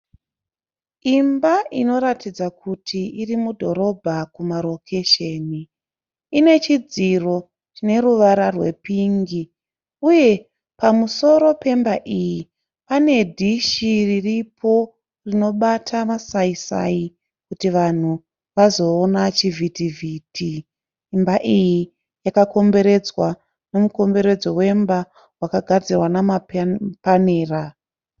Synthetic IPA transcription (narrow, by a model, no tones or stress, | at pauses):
imbaʔino̞ɾatid͡zakutʰiirimudʱo̞ɾo̞bʱakumaɾo̞kʰe̞ʃe̞ni | ine̞t͡ʃid͡ziro̞ | t͡ʃine̞ɾuʋaɾarwe̞̰piːŋɡi | uje̞ | pamuso̞ɾo̞pe̞mbaʔiji | pane̞dʱiʃiriripʰo̞ | rino̞ɓatʰamasaisa̰i | kutiʋan̤u | ʋazo̞ːnat͡ʃivʱitivʱiːtʰi | mbaʔiji | jakako̞mbe̞ɾe̞d͡zwa | no̞muko̞mbe̞ɾe̞d͡zo̞we̞mba | wakaɡʱad͡zirwanamapaneːra